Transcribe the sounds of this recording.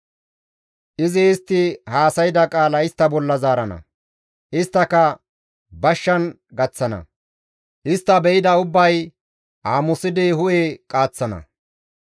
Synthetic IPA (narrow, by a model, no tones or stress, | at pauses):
ʔɪzɪːst̪ːɪhaːsɐjɪd̪ɐkʼaːlɐɪst̪ːɐbɔlːɐzaːɾɐnɐ̰ | ʔɪst̪ːɐkɐ | bɐʃːɐn | ɡɐt͡sːɐnɐ̰ | ʔɪst̪ːɐbɛɪd̪ɐʊbːɐj | ʔaːmʊsɪd̪ɪhʊʔekʼaːt͡sːɐnɐ̰